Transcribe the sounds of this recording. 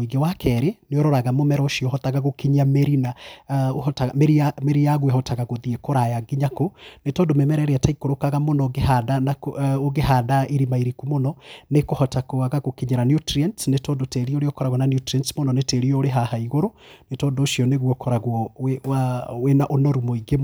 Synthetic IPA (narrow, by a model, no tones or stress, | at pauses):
iŋɡewakʰɛɾeneoɾɔɾaɣamomɛɾɔoʃiɔhɔt̪aɣaɣokiɲameɾinaohtaameɾiameɾijaɣweɦɔtʰaɣaɣoðiekoɾajaɡiɲakonetɔːndomɛmɛɾɛɾɛataikoɾokaɣamonɔɡehadanakooɣeɦaːdaiɾimaiɾikumonɔnekohɔtakoaɣaɣokiɲeɾanjutɾiɛntsnetɔːndotɛɾioɾeɔkɔɾaɣwɔnaniutɾiɛntsmonɔneteɾiɔɾeɦahaiɣoɾonetɔːndoːʃiɔneɣwɔkʰɔɾaɣwɔwewawenaʔonɔɾumoiɡem